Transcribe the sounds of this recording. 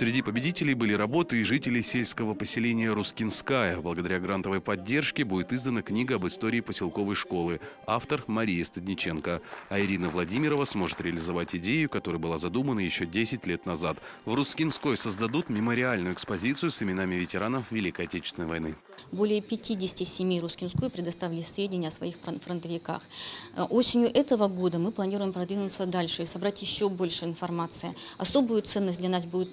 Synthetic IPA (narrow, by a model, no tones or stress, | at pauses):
sʲɾʲɪdʲipəbʲɪdʲitʲɪlʲɪjbɨlʲiɾɐbo̞t̪ɨɪʐɨtʲɪlʲɪjsʲelʲskəvəpəsʲɪlʲenʲɪjəɾʊskʲɪnskajəblˠəɡəd̪ɐɾʲaɡɾant̪əvəjpɐdʲːe̞rʂkʲɪbudʲɪt̪izd̪ənəknʲiɡəɐbɨst̪o̞ɾʲɪːpəsʲɪlˠko̞vəjʂko̞lˠɨaft̪ərmɐɾʲijɪst̪ədʲnʲɪt͡ɕe̞nkəɐɪɾʲinəvlˠɐdʲimʲɪɾəvəsmo̞ʐɨt̪ɾʲɪəlʲɪzɐvatʲɪdʲejʊkɐt̪o̞ɾəjəbɨlˠazɐd̪umənəjɪɕːodʲesʲɪtʲlʲe̞t̪nɐzat̪vrʊskʲɪnsko̞jsəzd̪ɐd̪ut̪mʲɪməɾʲɪalʲnʊjʊɛkspɐzʲit̪sɨjʊsɪmʲɪnamʲɪvʲɪtʲɪɾanəfvʲɪlʲikəjɐtʲet͡ɕɪ̥st̪ʲɪnəjvɐ̰jnɨ | bo̞lʲɪjəpʲɪtʲidʲɪsʲtʲɪsʲɪmʲijɾʊskʲɪnsko̞jpɾʲɪd̪ɐst̪avʲɪlʲɪsʲvʲedʲɪnʲəɐsvɐixfɾənt̪əvʲɪka̰xʔo̞sʲɪnʲjʊʔɛt̪əvəɡo̞d̪əmɨplˠɐnʲiɾʊjɪmpɾɐd̪vʲinʊt̪səd̪alʲʂɨɪsɐbɾatʲjɪɕːobo̞lʲʂɨɪnfɐrmat̪sɨɪɐso̞bʊjʊt̪sɛnːəsʲtʲd̪lʲɐnasbudʲɪt̪